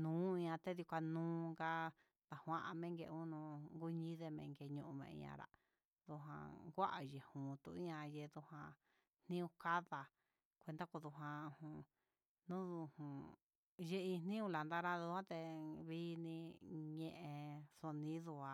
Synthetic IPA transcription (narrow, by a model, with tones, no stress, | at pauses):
nũː˨˦ĩ˧ɲã˧t̪e˦ðju˧kʷa˧nũː˦ŋɡa˧ | t̪a˨hʷã˧ʔa˧mẽ˦ŋɡe˧ũ˦nũ˧ŋɡu˦ɲĩ˦ðe˧mẽ˧ŋɡe˧ɲũ˧ʔu˧mḛ̃˧ḭ̃˧ã̰˧ɾa̰˨ | ðu˧ɦã̰˧ɡʷa˦ʔa˨je˨hũ˨t̪ṵ˧˨ĩ˦ã˧je˧ðu˧hã˧ | n̥nĩ˦ũ˧ka˦ða˧ | kʷe˧d̪a˦ko˧ðu˧ɦã˧hũ˧ | nũ˦ðu˧hũ˨ | je˦ĩ˧nnĩ˦ũ˧la˨nd̪a˦˧ɾa˦ðu˧hã˦t̪e˧βi˦˧nĩ˧ɲẽ˧ʔẽ˧so˧nĩ˦ðu˧a˧